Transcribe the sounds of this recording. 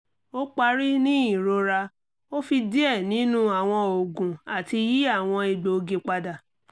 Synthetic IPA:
o˦k͡pa˧ɾi˦nĩ˦i˨ɾo˧ɾa˧ | o˦fi˧di˦ɛ˦˨nĩ˨˦nũ˦a˨w̃ɔ̃˧o˨ɡũ˨a˨ti˧ji˦a˦˨w̃ɔ̃˧i˧ɡ͡bo˨o˧ɡe˧k͡pa˧da˨

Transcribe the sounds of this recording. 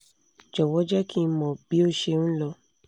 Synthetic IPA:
d͡ʒɔ˨wɔ˦d͡ʒɛ˦kĩ˦˧˦mɔ̃˨bi˨˦o˦˨ʃe˧nũ˦lɔ˧

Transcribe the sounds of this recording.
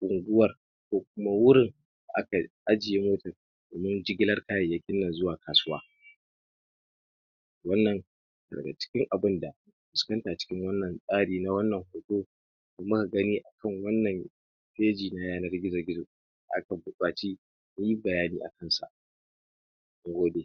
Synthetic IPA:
kʷʼʊ˨ŋɡʊ˦wɐ˨r | kʷoː˦kʷʊ˦ma˦wʊ˦ɾɪ˨n | da˨ʔa˦ka˨ʔa˦d͡ʒɪ˨je˦moː˦tɐ˨r | d̥oː˨mɪ˦nd͡ʒɪ˦ɡʲɪ˦lɐ˦rkaː˦ja˨jɐ˦kʲɪ˦nːɐ˨nzʊ˦waː˨kʰaː˨sʊ˦waː˦˨ | wɐ˦nːɐ˨ŋ | a˨dɐ̰˨ɡa̰˨t͡ʃɪ̥˦kʲɪ˦ŋʔa˨bɪ˦nda˨ | ɸʊ˨skɐ˦ntaː˨t͡ʃɪ̥˦kʲɪ˦ŋwɐ˦nːɐ˨nsʼaː˦ɽiː˨na˦wɐ˦nːɐ˨ŋhoː˨toː˦ | ka˨mɐ˦ka˨ɡɐ˦niː˦ʔa˨kɐ˦ŋwɐ˦nːɐ˨m | ɸeː˦d͡ʒiː˨na˦jaː˦nɐ˦rɡʲɪ˦zɐ˨rɡʲɪ˦zʊ˨ | da̰˨ʔa˦ka˨bʊ˨kʼaː˨t͡ʃiː˦ | kʊ˦ɲji˦bɐ˨jaː˦niː˦ʔa̰˨kɐ˦nsa̰˨ʔ | ʔa˦ŋɡoː˦deː˨

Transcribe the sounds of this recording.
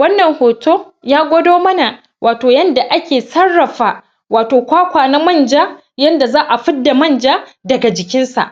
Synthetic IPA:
wɐ˦nːɐ˨ŋhoː˨tʰoː˦ | jaː˦ɡʷɔ˦doː˦mɐ˦na˨ | wʔaː˨toː˨jɐ˦nda˨ʔa˦kʲeː˨sɐ˦rːɐ˨ɸaː˦ | waː˨toː˨kʷaː˦kʷaː˨na˦mɐ˦˨nd͡ʒaː˦ | jɐ˦nda˨zaː˦ʔa˨ɸɪ˦dːa˨mɐ˦˨nd͡ʒaː˦ | dɐ˨ɡa˨d͡ʒɪ˨kʲɪ˦nsa̰˨ʔ

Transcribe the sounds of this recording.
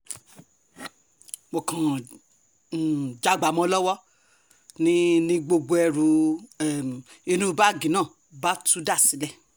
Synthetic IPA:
mo˨kã˨ | d͡ʒa˧ɡ͡ba˨˦mɔ̃˧˦lɔ˦wɔ˦ | nĩ˦nĩ˦ɡ͡bo˧ɡ͡bo˧˦ɛ˧˨ɾu˨˦˨ | i˧nũ˦˧ba˦˨ɡĩ˨nãː˦˨ | ba˦tũ˦da˦˨si˨˦lɛ˦˨

